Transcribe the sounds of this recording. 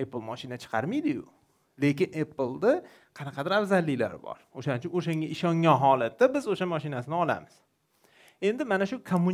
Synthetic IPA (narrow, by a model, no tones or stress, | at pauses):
eplˠmɒʃɪnat͡ʃʰɨ̥qʰɑɾmijd̪ɪjʊ̰ | le̞kʲɪnʔeplˠd̪a | qʰɑnɑqʰɑd̪ɪɾavzalːɪla̰ɾɪbɒ̰ɾoʃanɪt͡ʃʰʊnoʃaŋɡʲaɪʃɒŋɒnɦɒlat̪ːabɪzoʃamɒʃɪnasɪnɪɒla̰mɪz̥ | e̞nd̪ɪmanaʃʊkʰomːun